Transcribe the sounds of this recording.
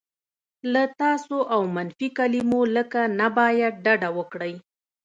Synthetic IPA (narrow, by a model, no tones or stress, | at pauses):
lat̪ɑsoʔawmanfikalimoləkanabɑjad̪̚ɖaɖawəkɽəj